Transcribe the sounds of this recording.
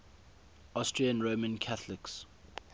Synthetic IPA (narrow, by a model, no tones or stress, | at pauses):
astɹiə̃nɹomə̃nkʰaθlɪks